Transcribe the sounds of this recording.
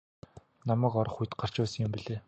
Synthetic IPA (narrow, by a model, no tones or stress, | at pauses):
namæːkɔɾɞ̆χujt̪ɢar̥t͡ɕʊːsə̆ŋjɪmpiɮeː